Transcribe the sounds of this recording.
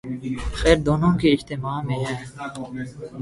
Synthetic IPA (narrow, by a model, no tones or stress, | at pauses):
xɛːɾd̪oːnõːkeɪd͡ʒt̪emaːmẽɦɛ̃ː